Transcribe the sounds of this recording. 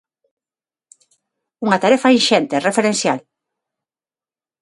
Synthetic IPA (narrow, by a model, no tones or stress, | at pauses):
uŋat̪aɾɛfainʃɛnt̪erefeɾẽnsjal